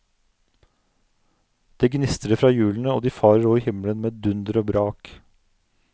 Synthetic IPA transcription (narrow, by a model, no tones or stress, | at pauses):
d̪̥eːɡnɪst̪əɾəfɾɑːjʉːln̩əo̰ːd̪iːfɑːɾəɾoːiːhɪmlənmeːd̪ʉnd̪əɾoːbɾɑːk